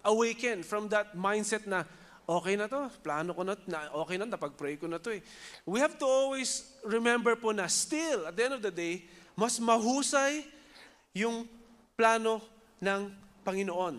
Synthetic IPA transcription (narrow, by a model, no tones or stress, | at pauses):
ʔɐwejkɐ̃nfɹɐ̃md̪ɐt̪̚majnd̪sɛt̪̚nɐ | ʔo̞ːkɛjnɐt̪o̞plaːnokonɐnɐʔoːkɛjnɐnɐpɐɡ̚pɾɛjkonɐt̪o̞ɛ | wihavt̪ʊolwijs | ɹɪmɛ̃mbɛɹponɐst̪ɪlɐt̪̚ɐʔɛ̃nd̪ɔvd̪ɐd̪ejmɐsmɐɦuːsɐjː | ʊŋ | plaːno̞ | nɐŋpɐŋɪnoʔo̞n